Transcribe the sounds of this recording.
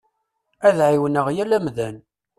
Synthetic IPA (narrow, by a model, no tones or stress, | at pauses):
æðʕiwənəʁjælæmðæn